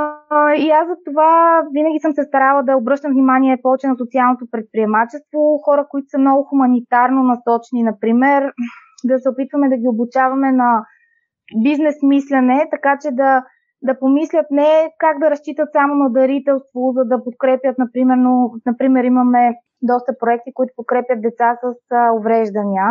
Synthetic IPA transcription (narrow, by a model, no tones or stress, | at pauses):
iazɐt̪ovavinəɡʲisəmsɛst̪ɐɾalˠəd̪ɐobɾɤʃt̪əmvnimaniɛpɔvɛt͡ʃɛnɐsot̪sialˠnot̪opɾɛt̪̚pɾiɛmat͡ʃɛst̪voxɔɾəkoit̪ʊ̥sɐmnɔɡʊxumɐnit̪aɾnonɐsɔt͡ʃninɐpɾimɛɾ | d̪ɐsɛopit̪vɐmɛd̪ɐɡʲiobʊt͡ʃavɐmɛnɐ | biznɛsmislɛnɛt̪ɐkat͡ʃɛd̪ɐ | d̪ɐpomislʲət̪nɛkaɡd̪ɐɾɐst͡ʃit̪ət̪samonɐd̪ɐɾit̪ɛlˠst̪vozɐd̪ɐpot̪̚kɾɛpʲjət̪̚nɐpɾimɛɾnonɐpɾimɛɾimɐmɛ | d̪ɔst̪əpɾoɛk̚t̪ikoit̪ʊ̥pot̪̚kɾɛpjət̪̚d̪ɛt̪sasəsovɾɛʒd̪ɐniə